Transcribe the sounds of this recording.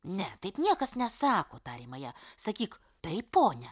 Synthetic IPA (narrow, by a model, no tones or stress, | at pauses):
nʲɛt̪ɐɪpnʲiɛkɐsnʲɛsɑːkoːt̪ɑːɾʲimɐjɛːsɐkʲiːk | t̪ɐɪpoːnʲɛ